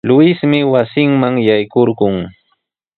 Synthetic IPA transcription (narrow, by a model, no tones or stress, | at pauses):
lʊɪsmɪwasɪŋmaŋjajkoɾɢʊŋ